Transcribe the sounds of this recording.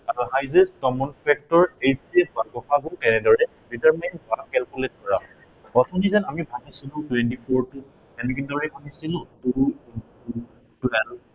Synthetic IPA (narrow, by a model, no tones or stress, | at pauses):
aɹuɦajzɛstkɔmɔnpʰɛk̚tɔɹejsiɛbaɡɔxaɡokɛnɛdɔɹɛ | ditɛɹmanbakɛlkulet̚ɡʱɔɹa̰ʊ | ɔtʰɔnizɛnamibʱanisilʊ̃twɛntipʰɔɹtu | ɛnɛkindɔɹɛbʱanisilʊ̃puɹuuns | u | tɛɹ